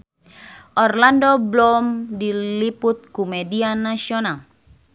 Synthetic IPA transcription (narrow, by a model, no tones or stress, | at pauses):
ʔɔrlandɔblɔmdiliput̪̚kumɛdianasiɔnal